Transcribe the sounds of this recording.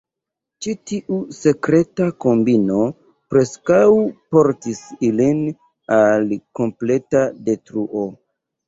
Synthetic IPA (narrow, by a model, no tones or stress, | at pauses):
t͡ʃitiʔuse̞kɾe̞tako̞mbino̞ | pɾe̞skawpo̞ɾtisilin | alko̞mple̞tade̞tɾuʔo̞